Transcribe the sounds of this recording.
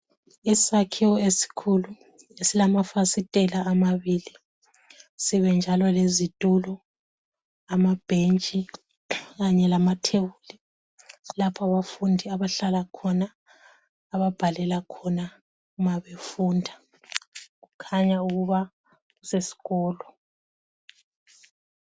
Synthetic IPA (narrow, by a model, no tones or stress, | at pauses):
isakʰiwɔesi̥kʰulu | esilamafasitʼɛlaːmaβili | siβɛnd͡ʒʱalɔlezitʼulɔ | amab̥ʱent͡ʃʼi | ɣaɲɛlamatʰewuli | lapʰaβafundʱiaβaɬalakʰɔnaː | βab̥ʱalɛlakʰɔna | umaβefundʱa | ɣukʰaɲauɣuβa | ɣusesi̥ɣɔːlɔ